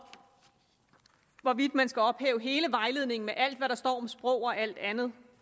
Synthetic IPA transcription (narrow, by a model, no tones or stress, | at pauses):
ʋɒʋid̥mænsɡ̥æɒ̽b̥hɛ̰ːʊəɦe̝ːləʋɑ̈ɪle̝ðˠne̝ŋn̩meʔæl̰d̥ʋæɾɑ̈sd̥ɒ̰ːɒ̽msb̥ʁɔʊ̰ɒ̽ʔæl̰d̥ænð̞̩ˠ